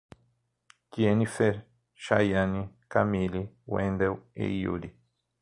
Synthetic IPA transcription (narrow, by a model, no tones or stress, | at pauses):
kienifeɾ | ʃa̰jani | kamili | wḛ̃nd̪ewḛijṵɾi